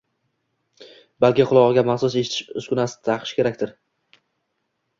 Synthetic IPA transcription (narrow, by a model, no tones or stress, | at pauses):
balˠkʲɪqʰʊlˠɒʁɨɡʲamaχsʊseʃɪt̪ʰɪ̥ʃʊskʲʊnasɪ̥t̪ʰaqʰɨ̥ʃkʲʰe̞ɾakʲt̪ɪɾ